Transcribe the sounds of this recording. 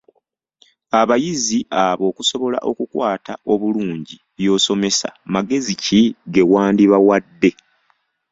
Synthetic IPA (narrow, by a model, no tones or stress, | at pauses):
aβajiziʔaβo̞ːkuso̞βo̞la̰ʔo̞kukwaːtao̞βuluːɲɟi | jo̞ːso̞me̞sa̰maɡe̞ziciɡe̞waːndiβawadːe̞